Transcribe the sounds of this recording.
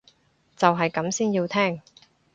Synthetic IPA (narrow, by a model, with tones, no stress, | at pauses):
t͡sɐ˨wɦɐ˨jkɐ˨˥msiː˥njiː˧wt̪ʰɛː˥ŋ